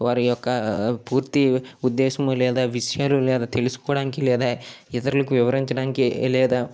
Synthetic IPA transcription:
ʋaːɾujɔkːɐpuːɾt̪iud̪ːeːsɐmulɛːd̪ɐʋiʂjaːlulɛːd̪ɐt̪elisu̥kɔːɽaːnkilɛːd̪ɐɛt̪ɐɾɐlɐkuʋiʋɐɾiɲt͡ʃɐɽaːnkilɛːd̪ɐ

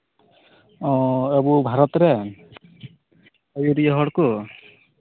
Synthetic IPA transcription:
ɔ̃ebubʱaɾɔt̪ɾɛ | ɔjuɾijaɦɔɽku

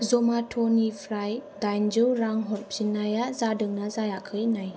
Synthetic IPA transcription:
zɔmatʰɔnipʰɾajdajnd͡ʒɯwɾaŋɦɔɾpzinːajazadɯŋnazajakʰɯjnaj

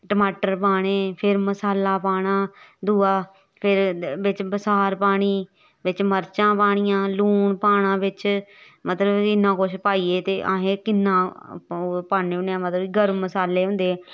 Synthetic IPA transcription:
ʈəmaːʈəɾpaːɽ̃eːpʰɪɾməsaːlaːpaːɽãːd̪uːaː | pʰɪɾbɪt͡ʃbəsaːɾpaːɽ̃iː | ʋɪt͡ʃməɾt͡ʃãːpaːɽ̃ɪjãːluːnpaːɳ̃ãːʋɪt͡ʃ | mət̪ləbkɪnːãːkʊʃʰpaːiːeːt̪eːʔa̰ːɦẽːkɪnːãː | paːneʊnãːmət̪ləbiɡəɾməsaːleːɦʊ̃nd̪eː

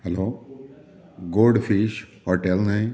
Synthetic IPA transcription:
hɛloː | ɡoːɖfiʃhoʈelnaĩ

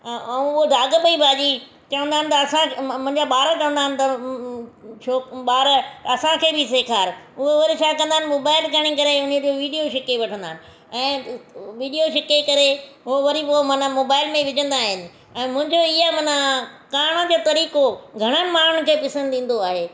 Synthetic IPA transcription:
ɛ̃ʊɦod̪aːɡəpɐibʱaːd͡ʑi | t͡ɕɐʋə̃nd̪aːɦɪnɪ̆t̪ɐɐsãmʊ̃ɪ̃ɲd͡ʑaɓaːɾət͡ɕɐʋənd̪aːɦɪnɪ̆t̪ɐ | t͡ʃʰoːɓaːɾɐsãkʰeːbʱɪs̬eːkʰaːɾʊɦeʋɐɾit͡ʃʰaːkɐ̃nd̪aːɪnɪmoːbaːɪlkɐɽ̃ikɐɾeʊned͡ʑoʋiːɖijoʃɪkeʋɐʈʰə̃nd̪aːnɪ̆ | ɛ̃ːʋiːɖijoʃɪkekɐɾeɦoʋɐɾipomɐnəmoːbaːɪlmẽʋɪd͡ʑə̃nd̪aːɦɪnɪ̆ | ɛ̃ːmʊ̃ɦɪ̃ɲd͡ʑoɪamɐnəkaːɽ̃əd͡ʑoːt̪ɐɾiːkoɡʱɐɽ̃ənɪ̆maːn̤ʊɳ̃kʰeːpɪsə̃nd̪ĩːn̆d̪oaːɦeː

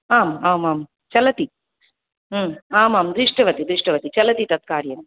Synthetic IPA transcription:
aːmaːmaːm | t͡ʃɐlɐt̪i | aːmaːmd̪ɾiʂʈɐʋɐt̪id̪ɾɪʂʈɐʋɐt̪it͡ʃɐlɐt̪it̪ɐt̪̚kaːɾjɐn

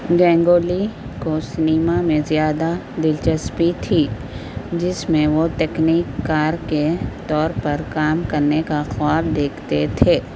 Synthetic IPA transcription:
ɡɛ̃ːŋɡoːli | kosɪniːmamẽzjaːd̪ad̪ɪlt͡ʃəspit̪ʰi | d͡ʒɪsmẽʋot̪ɛːkniːkːaːɾket̪ɔːɾpɐɾkaːmkɐɾnekaxʊwaːbd̪eːkʰt̪et̪ʰeː

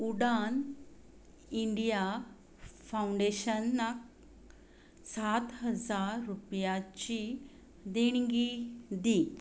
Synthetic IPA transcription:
uɽan | iɳɖija | fauɳɖeɕənːak | sat̪ɦəd͡zaɾɾupjat͡ɕi | d̪eɳɡid̪i

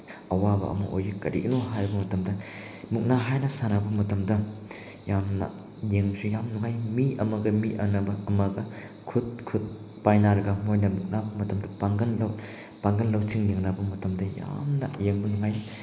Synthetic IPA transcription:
ɐwabɐ̰ʔɐ̰mɐʔo̰jɡikɐɾḭɡɐnoɦajɾɐbɐmɐtɐmdɐ | muk̚naɦajnɐsanabɐmɐtɐmdɐ | jamnɐ̰ | jeŋsujamnuŋajmiɐmɐɡɐmiʔɐnɐbɐɐmɐɡɐ | kʰut̚kʰut̚ | pajnaɾɐɡɐmojnɐmuk̚nabɐmɐtɐmdɐpaŋɡɐnlɐ | paŋɡɐnlɐwsiŋjeŋnabɐmɐtɐmdɐja̰mnɐ̰jeŋbɐnuŋaj

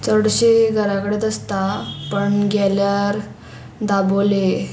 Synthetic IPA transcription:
t͡səɽɕeɡʱəɾakəɽed̪əst̪apəɳɡʱɛljaɾ | d̪abole

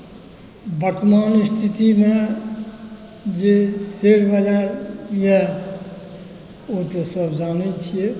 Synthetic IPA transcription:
bəɾt̪əmanist̪ʰit̪ime | d͡ʒeseɽbəd͡ʒaɾje | ot̪ɔsəbd͡ʒanet͡ʃʰije

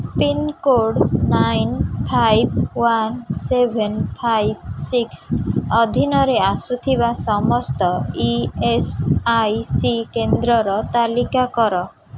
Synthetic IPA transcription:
pinkoɖnajnpʰajbwansebʱenpʰajb̚siksɔd̪ʱinɔɾeasut̪ʰibasɔmɔst̪ɔiesajsikend̪ɾɔɾɔt̪alikakɔɾɔ

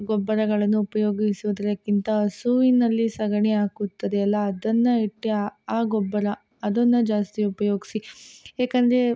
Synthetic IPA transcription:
ɡɔbːɐɾɐɡɐɭɐnːuːpɐjo̞ːɡisuʋud̪ɐɾɐkːint̪ɐɐsuinɐlːisɐɡɐɳiaːkut̪ːɐd̪eːlːɐːd̪ɐnːɐiʈːiaːɡɔbːɐɾɐ | ɐd̪ɐnːɐd͡ʒaːst̪iupɐjo̞ːɡisiɦeːkɐnd̪ɾe

